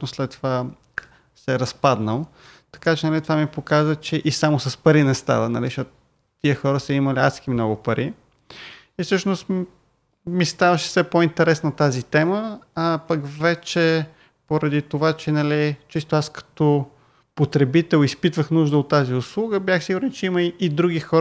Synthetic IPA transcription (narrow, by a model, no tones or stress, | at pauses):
noslɛt̪ːova | sɛɛɾɐspad̪nəlˠ | t̪ɐ̥kat͡ʃɛnɐlit̪ovamipokazvət͡ʃɛʔisamosɐspɐɾinɛst̪a̰vənɐ̰liʃɔt̪ʊ | t̪ːiəxɔɾəsəiməlia̰t̪sk̟imnɔɡʊpɐɾʔi | ifsɤʃnost̪ | mist̪avəʃɛ̥fsɛpoint̪ɛɾɛsnət̪azit̪ɛməːpɐkvɛt͡ʃɛ | poɾɐd̪it̪ovat͡ʃɛnɐlit͡ʃist̪oaskɐ̥t̪ɔ | pot̪ɾɛbit̪ɛlˠispit̪vəxnuʒd̪əot̪ːaziʊslˠuɡəbjaxsiɡʊɾɛnt͡ʃɛiməid̪ɾuɡixɔɾ